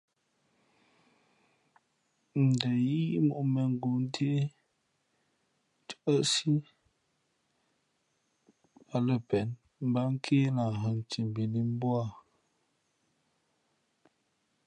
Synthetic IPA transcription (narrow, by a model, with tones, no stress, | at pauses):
n̩˨də˨ji˦i˦ʔmo˨mɛ˨ŋ̩˦ɡu˨n˦tʰe˦e˦ | t͡ʃə˨ʔə˦si˦ | a˨lə˨pɛ˨n | m˦ba˦ŋ̩˦kʰeː˦na˨ɦə˨n˨ti˨m˨bi˨li˦m˦bwa˦˨